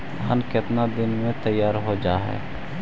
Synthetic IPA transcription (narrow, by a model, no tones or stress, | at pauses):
a̰ːnkɪt̪nad̪ɪnmẽt̪əjːaːɾɦod͡ʒaːɦɛ̰ː